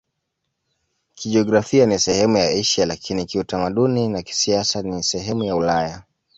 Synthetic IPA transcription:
kiʄiɔɡɾafianisɛhɛmujaiʃalakʰinikiutamaɗuninaki̥siasanisɛɦɛmujaulaja

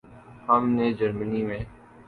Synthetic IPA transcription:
hamneːd͡ʒəɾməniːmẽː

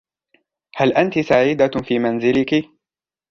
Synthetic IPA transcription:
halʔant̪isaʕiːd̪afiːmanzɪlɪkɪ

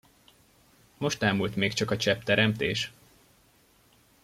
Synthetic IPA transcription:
mo̞ʃt̪aːmult̪meːkt͡ʃɒkɒt͡ʃɛpt̪ɛɾɛmt̪ḛːʃ

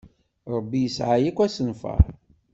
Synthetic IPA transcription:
ɾˤəbːijəsʕajikʷːæsənfə̰ɾˤ

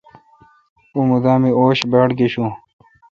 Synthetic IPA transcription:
umud̪aːmioːɕbaɽkeɕũ

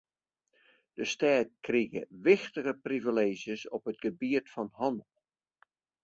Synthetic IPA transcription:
d̥əstɛːt̚kriɣə̰ʋɪxtəɣəprivileːzjəsɔpɦətɡəbiətfɔnhɑndlˠ

